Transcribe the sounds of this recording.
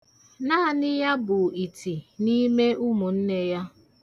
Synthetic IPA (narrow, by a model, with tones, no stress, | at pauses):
na˦˨nɪ˦ja˦bʊ˨i˨tʰi˨ni˦me˦ʔʊ˦mʊ˨n̩˦ne˦ja˦